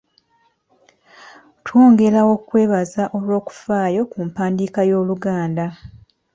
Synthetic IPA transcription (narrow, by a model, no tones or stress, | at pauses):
tʰwo̞ːŋɡe̞ɾawo̞kwe̞ːβazaʔo̞lwo̞ːku̥faːjo̞kumpaːndiːkajo̞ːluɡaːnda